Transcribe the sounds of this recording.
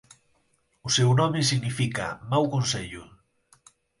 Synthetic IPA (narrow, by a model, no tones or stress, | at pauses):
ʊsewnɔmes̬iɣnifika̰mawkonseʎʊ